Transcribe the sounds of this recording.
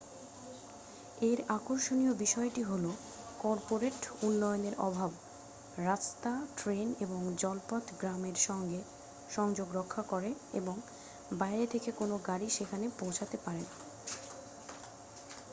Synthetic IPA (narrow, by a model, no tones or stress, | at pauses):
eɾakoɾʃoniobiʃɔeʈiɦolo | kɔɾpoɾeʈunːɔjoneɾʔɔbʱab | ɾast̪aʈɾeneboŋd͡ʑɔlpɔt̪ɡɾameɾʃɔŋɡe | ʃɔŋd͡ʑoɡɾɔkʰːakoɾeḛboŋ | baeɾet̪ʰekekonoɡaɾiʃekʰanepõwt͡ɕʰat̪epaɾena